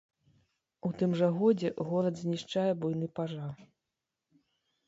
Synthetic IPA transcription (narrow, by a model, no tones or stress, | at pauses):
ut̪ɨmʐɐɣɔd͡zʲɛɣɔlˠɐd̪zʲnʲiʂt͡ʂajɛbujnɨpaʐa